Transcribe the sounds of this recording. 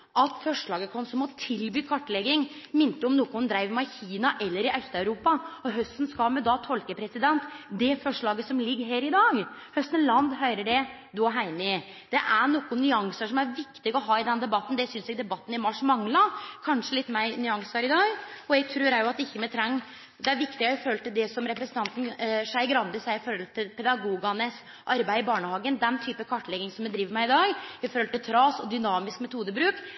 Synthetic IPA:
ʔɑt̪fɔʂɭɑːɡəkʰɔnsɔmɔt̪ʰɪlbyːkʰɑʈːlɛɡːɪŋmɪnt̪əɔmnɔkːʊnd̪ɾæɪʋmɑçiːnɑʔɛlːəɾɪʔœst̪ɑʉɾuːpɑɔɦœst̪n̩skɑlmɛd̪ɑt̪ʰɔlkəpʰɾɛsɪd̪ɛnt̪d̪ɛfɔʂɭɑːɡəsɔmlɪɡːəɦeːɾɪd̪ɑːɡhœst̪nlɑnd̪ɦœʏɾəɖɛ | d̪ɔɦæɪnɪ | d̪̥ɛʔæɳɔkːʊnʏɑŋsəʂɔmæɾʋɪkt̪ɪɡɔɦɑːɪd̪ɛnd̪ɛbɑt̪ːn̩d̪ɛsʏnsɛɡd̪ɛbɑt̪ːn̩ɪmɑʂːmɑŋlɑkʰɑnʂəlɪt̪ːmæɪnʏɑŋsɑɾɪd̪ɑːɡɔɛɡ̚t̪ʰɾʉːɾæɾjʊɑt̪ɪçːəmɛt̪ʰɾɛŋː | d̪ɛæɾʋɪkt̪ɪɡɛɪføːlət̪ɪld̪ɛsɔmɾɛpɾɛsnt̪ʰɑnt̪n̩ʂæɪɡɾɑnd̪əsæɪɪfɔɾɔlt̪ʰɪlpʰɛd̪ɑɡuːɡɑnəs | ʔɑɾbæɪɪbɑːɳəhɑːɡənd̪ɛnt̪ʰyːpəkʰɑʈːlɛɡɪŋsɔmjɛd̪ɾiːʋəɾmæɪɪd̪ɑːɡɪføːɾlt̪ɪlt̪ʰɾɑːsɔd̪ʏnɑːmɪskmɛt̪ʰuːd̪əbɾʉːk

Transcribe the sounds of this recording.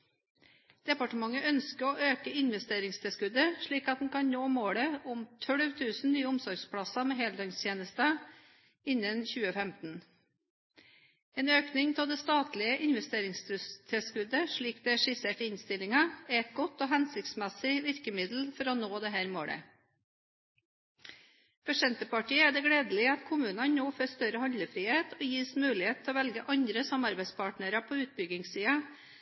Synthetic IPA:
d̪̥ɛpɑʈəmɑŋːəʔœnskəɾɔːʔøːkəɪnʋɛst̪eːɾɪŋst̪ʰɪlskʉd̪əʂɭiːkɑt̪̚d̪n̩kɑnnoːmoːɽəʊmt̪ʰœɽʋt̪ʰʉːsn̩nyːəʊmsɔɾɡspʰɽɑsɑmɛhɛld̪ɑŋst̪ʰjeːnəst̪ə | ɪnːənçʉːəfɛmt̪n̩ | eːnøːknɪŋt̪ʰɪld̪ɛst̪ɑːt̪lɪəʔɪnʋɛst̪eːɾɪŋst̪t̪ʰɪlskʉd̪əʂɭiːkd̪̥ɛːæʂɪseːʈɪnst̪ɪlɪŋɑɛɛt̪̚ɡɔt̪ːoːɦænsɪk̚t̪smɛsɪʋɪɾkəmɪd̪l̩fɔɾɔnoːd̪ɛhæːɾmoːɽə̰ | fɔʂɛnt̪əpɑʈiːəæɖɛɡɽeːd̪əl̩ɪɑt̪kʰʊmʉːnɑnnoːføːst̪œɾəhɑnləfɾiːheːt̪ʰoːjiːsmʉːlɪheːt̪ʰːɛoːʋɛlɡəʔɑɲd̪ɾəsɑmɑɾbæɪspʰɑʈnəɾɑpʰoːʉːt̪̚bʏɡɪŋssiːɑ

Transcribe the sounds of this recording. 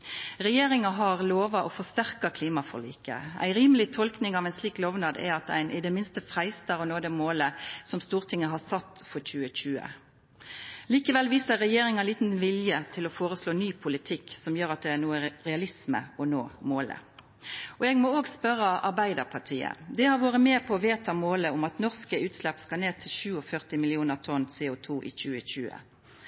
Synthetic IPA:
ʁɛjeːɾɪŋɑɦɑʁloːʋɑʔɔfɔst̪æʁkɑkʰliːmɑfɔ̰ʁɭḭːkə̰æ̰ɪɾiːməlɪt̪ʰɔlknɪŋɑʋæɪnsliːklɔʋnɑːd̪ɛ̰ɾɑt̪æ̰ɪnʔɪd̪ɛmɪnst̪əfɾæɪst̪ɑɾɔnoːd̪ɛmoːləsɔmst̪uːʁt̪ʰɪŋːəɦɑsɑt̪ːfɔçʉːəc͡çʉːə̰ | liːkəʋɛlʋiːsəʁːɛjeːɾɪŋɑliːt̪n̩ʋɪljət̪ʰɪlɔfoːɾəsloːnyːpʰʊlɪt̪ʰɪkːsɔmjøːɾɑt̪̚d̪ɛænuːəɾɛɑlɪsmə̰ɔnoːmoːlə̰ | ɔɛɡmɔoːɡspœɾːəʔɑɾbæɪd̪əʁpʰɑʁʈʰiːə̰d̪ɛhɑɾʋoːʁəmeːpʰɔːʋeːt̪ʰɑmoːləʊmɑt̪nɔʁskəʉːt̪slɛpːskɑneːt̪ʰɪlçʉːɔfœʁt̪ɪmɪlɪuːnəʁt̪ʰɔnseːʊt̪ʰuːʔɪ̰çʉːəçʉːə̰

